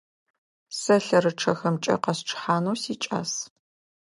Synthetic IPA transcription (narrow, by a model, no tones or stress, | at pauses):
sɐɬɐɾɨʈ͡ʂʰɐxɐmt͡ʃʼɐ̰qɐsʈ͡ʂʰħaːnuːsiːt͡ʃʼa̰ːs